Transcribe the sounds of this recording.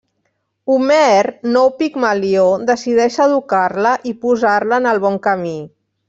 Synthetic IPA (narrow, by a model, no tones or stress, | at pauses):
umɛrnowpikmaliod̪əsið̞ɛʃəðukarləʔipuzarləːnəlˠβɔŋkəmi